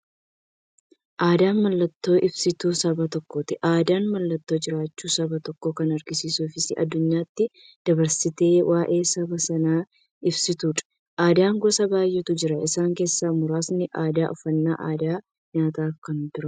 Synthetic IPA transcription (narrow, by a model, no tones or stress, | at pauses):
ʔaːd̪aːnmɐlːɐt̪ːo̞ːʔɪbsɪt̪uːsɐbɐt̪ɔkːoːt̪ɪʔaːd̪aːnmɐlːɐt̪ːo̞ːd͡ʒɪɾaːt͡ʃːuːsɐbɐt̪ɔkːoːkɐnɐɾɡɪsiːsuːfɪsɪʔɐ̰d̪ːʊɲːaːt̪ːɪ | d̪̥ɐbɐɾsɪt̪e̞ːwʔaːʔe̞ːsɐbɐsɐnaː | ɪbsɪt̪uːᶑɐ̥ | ʔaːd̪aːŋɡɔsɐbaːjːɛt̪ʊd͡ʒɪɾɐɪsaːŋke̞ːsːaːmʊɾaːsnɪʔaːd̪aːʔɔfɐnːa̰ːʔaːd̪aː | ɲaːt̪aːfkɐnt̪ʊɾɐ